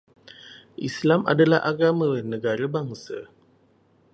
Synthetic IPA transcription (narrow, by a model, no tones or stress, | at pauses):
ḭslama̰dəlaʔaɡaməənəɡaɾəbaŋsə